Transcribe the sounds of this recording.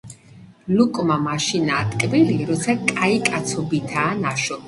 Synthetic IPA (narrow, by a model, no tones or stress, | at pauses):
lukʼmamaʃina̰ːt̪ʼkʼbiliɾɔt̪sʰakʼaikʼat̪sʰɔbit̪ʰaːnaʃɔ